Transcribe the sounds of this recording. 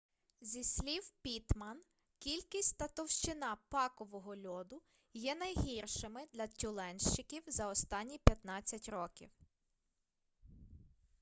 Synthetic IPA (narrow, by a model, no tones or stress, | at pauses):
zʲisʲlʲiwpʲit̪mɐn | kʲilʲkʲisʲtʲt̪ɐt̪ɔwʃt͡ʃɪnɑpɑkɔʋɔɦɔlʲɔd̪ʊ | jɛnɐjɦʲirʃɪmɪd̪lʲɐtʲʊlˠɛnʃt͡ʃɪkʲiwzɐɔst̪ɑnʲːipʲjɐt̪nɑt͡sʲːɐtʲrɔkʲḭw